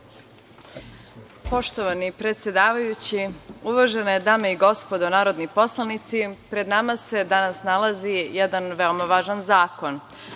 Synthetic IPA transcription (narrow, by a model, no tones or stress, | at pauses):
po̞ʃt̪oʋanipɾe̞t̪sje̞d̪aːʋajut͡ɕiuʋaʒenojed̪ameiɡo̞spo̞d̪onaːɾo̞d̪nipo̞slˠanit̪sipɾe̞d̪namase̞d̪anasnalazijɛd̪anʋeomaʋaːʒanzaːko̞n